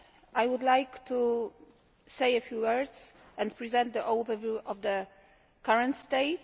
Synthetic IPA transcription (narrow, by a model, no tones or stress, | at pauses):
ajwʊd̪lajkt̪ʰu | sejɛfjuwɜɹd̪z̥ | ɛ̃npɹizɛ̃nt̪d̪əʔovɛvjuʔɔvd̪ə | kaɹɛ̃nt̪st̪eɪt